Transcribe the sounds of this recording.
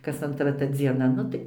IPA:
kɐs ɐntˈrɐ tɐ d͡zʲiɛˈnɐ ˈnʊ tɐɪ

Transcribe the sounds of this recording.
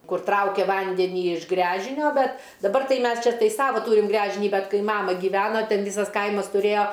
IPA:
ˈkʊr ˈtrɐʊkʲɛ ˈʋɐnʲdʲɛnʲiː ɪʃ ˈɡrʲæːʒʲɪnʲoː ˈbʲɛt dɐˈbɐr ˈtɐɪ ˈmʲɛs ˈt͡ʃʲɛ tɐɪ ˈsɑːʋɐ ˈtuːrʲɪm ˈɡrʲæːʒʲɪnʲiː ˈbʲɛt ˈkɐɪ ˈmɑːmɐ ɡʲiːˈʋʲæːnɐ ˈtʲɛn ˈʋʲiːsɐs ˈkɐɪmɐs tʊˈrʲeːjoː

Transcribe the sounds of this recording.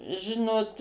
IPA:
ˈʒʲɪnoːt

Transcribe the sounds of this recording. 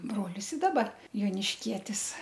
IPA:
ˈbroːlʲɪs ɪ ˈdɑːbɐ joːnʲɪʃʲˈkʲiɛtʲɪs

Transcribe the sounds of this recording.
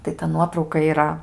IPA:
tɐɪ tɐ ˈnuɔtrɐʊkɐ iːˈrɐ

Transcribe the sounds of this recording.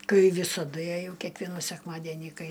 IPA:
ˈkɐɪ ˈʋʲiːsɐdʊ jɛˈjɛʊ kʲiɛkˈʋʲiɛnuː sʲɛkˈmɑːdʲɛnʲiː ˈkɐɪ

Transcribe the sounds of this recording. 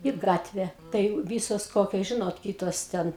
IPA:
ɪ ˈɡɑːtʲʋʲɛ tɐɪ ˈʋʲiːsoːs ˈkoːkʲoːs ˈʒʲɪnoːt ˈkʲiːtoːs ˈtʲɛn

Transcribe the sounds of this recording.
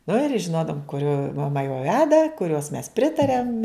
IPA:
nʊ ɪr ˈʒʲɪnoːdɐʋʊm kʊˈrʲoː mɐˈmɐ jɛʊ ˈʋʲæːdɐ kʊˈrʲoːs mʲɛs ˈpʲrʲɪtɐrʲɛm

